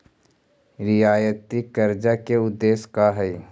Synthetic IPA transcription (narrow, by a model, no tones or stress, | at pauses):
ɾɪjaːjət̪ikɐɾd͡ʒakeʊd̪ːeːskaɦɛj